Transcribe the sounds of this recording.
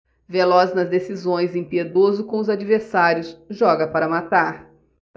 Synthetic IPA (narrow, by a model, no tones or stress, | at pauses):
velɔznɐzd̪esizõj̃zẽpied̪ozʊkõʊzad͡ʒiveɾsaɾjʊsʒɔɡɐpaɾɐmat̪aɾ